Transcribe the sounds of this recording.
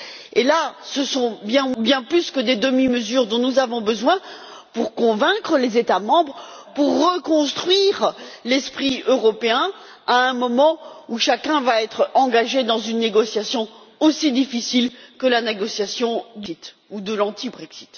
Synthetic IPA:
elasəsɔ̃bjɛ̃bjɛ̃plyskəd̪ed̪əmiməzyʁd̪ɔ̃nuzavɔ̃bəzwɛ̃ | puʁkɔ̃vɛ̃kχəlezet̪amɑ̃bʁ | puʁːəkɔ̃st̪χɥiʁlɛspχiøʁɔpeɛ̃ | aɛ̃mɔmɑ̃uʃakʲɛ̃vaɛt̪χɑ̃ɡaʒed̪ɑ̃zynːeɡɔsjasjɔ̃ | osid̪ifisilkəlaneɡɔsjasjɔ̃d̪it̪ | ud̪əlɑ̃t̪ibʁɛksi̥t̪

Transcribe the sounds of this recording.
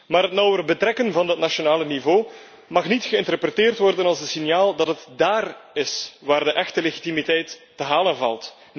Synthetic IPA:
maːɾɦətnɔwəɾəbətrɛkənvɑndɑtnaʃonaːlənivoː | mɑxnitxəɪntərpɾɛtɪːrtʋɔrdənɑlˠzənsinjaːlˠdɑtɦətdaːrɪsʋaːrdəʔɛxtəleɣitimitɛjtː | əɦaːlənvɑ̰lˠt

